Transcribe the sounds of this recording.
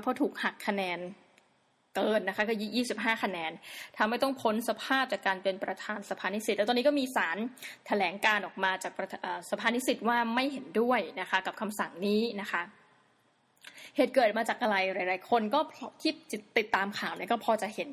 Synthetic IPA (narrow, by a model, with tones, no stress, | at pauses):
pʰɔː˧˥t̪ʰuː˨˩k̚ha˨˩kʰːa˧nɛː˧n | kɤː˧nːa˦˥kʰa˦˥kɔː˥˩jiː˥˩jiː˥˩si˨˩p̚ɦaː˥˩kʰa˧nɛː˧nt̪ʰa˧mha˥˩jt̪̬ɔ˥˩ŋpʰo˧˦˥nsa˧pʰaː˥˩p̚t͡ɕaː˨˩kːaː˧npe˧npɾa˧t̪ʰaː˧nsa˧pʰaː˧ni˦˥si˨˩t̪̚lt̪ɔː˧ni˦˥kɔ˥˩miː˧saː˩˦nt̪ʰa˧lɛː˩˦ŋkaː˧nʔɔː˨˩k̚maː˧t͡ɕaː˨˩k̚ʔaː˨˩sa˧pʰaː˧˩niː˦˥si˨˩t̪̚waː˥˩ma˥˩jɦe˩˦ndu˥˩əjna˦˥kʰa˦˥ka˨˩p̚kʰa˧msa˨˩ŋniː˦˥na˦˥kʰa˦˥ʔ | heː˨˩t̪̚kɤː˨˩t̪̚maː˧t͡ɕaː˨˩k̚ʔa˧ɾa˧jɾa˧˩ɾaː˨˦jkʰo˧nkɔː˥˩pʰɔ˧˥k̪ʰiː˥˩t͡ɕ̪i˨˩t̪ːi˨˩t̪ːaː˧mkʰaː˨˩wni˥˩kɔː˥˩pʰɔː˧t͡ɕa˨˩he˩˦n